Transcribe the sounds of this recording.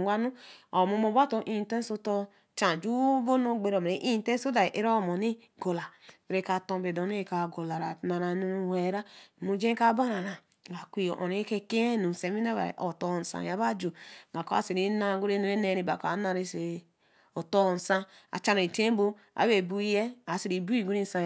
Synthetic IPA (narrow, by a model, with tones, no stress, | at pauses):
a˦nu˦o˨mo˦mo˨ba˦to˨ʔĩ˦˨˦te˦n˦so˦to˦ | t͡ʃã˨d͡ʒu˦bo˦no˦˨ɡ͡be˨ɾo˨m˨ɾe˨ʔi˦n˦tẽ˦so˦da˨ʔe˦ɾa˦˨mo˨ni˦ | ɡo˨la˨be˨ɾe˦ka˨tõ˦be˨do˨n˦e˦˨ka˨ɡo˨la˨ɾa˨na˨ɾa˨nu˦we˨ɾa˦˨mu˨d͡ʒẽ˦ka˦ba˦ɾa˨ɾa˨ | ɡa˨kʷi˦o˨ʔo̰˨ne˦ke˦ke˦nu˨n̩˨se˨mi˦a˦βa̰˨ʔo̰˨to˦˨n̩˨sã̰˨ja˨˦ba˦d͡ʒo˨ɡa˨ko˦a̰˨se˨ɾi˦na˦˨˦ɡu˦ɾe˦nu˨˦e˦ne˦ɾi˨ba˨ka˨˦na˦ɾe˦se˨ | o˨to˦˨n̩˨sã˦a̰˨t͡ʃa˦no˨i˨te˦bo˦ | a̰˨˦be˨bu˦je˦a˨˦se˨ɾi˨bu˦i˦˨ɡu˦ɾi˦n˦sã˦